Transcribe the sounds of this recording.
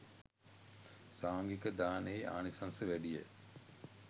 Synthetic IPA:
saːŋɡikəd̪aːneia̰ːnisansəʋæɖije

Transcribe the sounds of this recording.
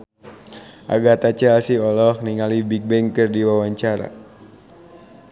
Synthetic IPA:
ʔa̰ɡat̪at͡ʃɛasiɔlɔhniŋalibiɡ̚bɛŋkərdiwawaɲt͡ʃaɾa̰

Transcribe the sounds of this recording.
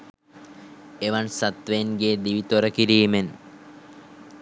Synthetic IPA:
eʋansat̪ʋenɡeːd̪iʋit̪oɾəkiɾiːmen

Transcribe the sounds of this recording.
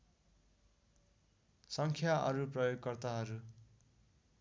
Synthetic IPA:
sʌŋkʰjaʔʌ̰ɾuprʌjoɡkʌrt̪aɦʌɾu

